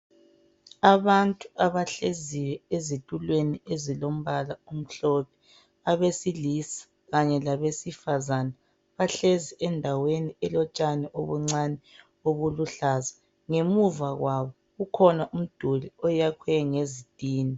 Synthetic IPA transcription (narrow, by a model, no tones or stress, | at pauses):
aβantʼuaβaɬeziwɛezitʼulweniezilom̩βalaum̩ɬɔpʰɛ̥ | aβesilisḁ | ɣaɲɛlaβesifazana | βaɬeziʔɛndʱaweniɛlɔt͡ʃʼanɛʔoβuŋ͡ǀanɛ | oβuluɬazḁ | ŋemuvaɣwaβɔ | ɣukʰɔnaʔum̩d̥ʱuliɔjakʰwɛŋezid̥ʱʼiːni